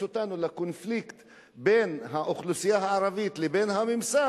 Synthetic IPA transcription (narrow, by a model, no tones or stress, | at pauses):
ot̪anulakonflikt̪ | be̞nɦaʔoχlusijaɦaʕaʁavit̪lebe̞nɦamimsa